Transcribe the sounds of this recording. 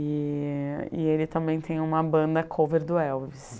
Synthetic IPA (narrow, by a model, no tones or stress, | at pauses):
ɪ | ɪelɪt̪ɐ̃mbẽj̃t̪ʰẽj̃ũmɐbɐ̃nd̪ɐkʰoveɾd̪ʊɛwvɪs